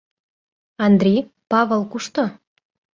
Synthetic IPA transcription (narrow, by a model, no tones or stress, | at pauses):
ɑnd̪ɾʲij | pɑβəlˠkuʃt̪o